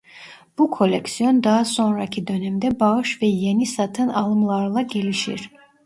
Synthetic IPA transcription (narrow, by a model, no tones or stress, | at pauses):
b̥ukʰo̞lʲɛksijond̪aɦaso̞nɾacʰid̪ø̞nɛmd̪ɛbaɯʃvɛjenisat̪ʰɯnɑlˠɯmlˠaɾlˠaɟeliʃḭɾ̥